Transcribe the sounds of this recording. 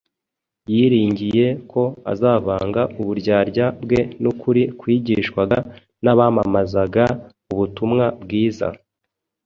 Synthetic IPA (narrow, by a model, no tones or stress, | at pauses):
jiːɾiːɲɟije̞kʰo̞a̰zaːβaːŋɡaʔuβuɾɟaːɾɟabɡe̞nukʰuɾikwiːɟiʃkwaɡa | naβaːmamazaɡa | uβutumŋabɡiːza̰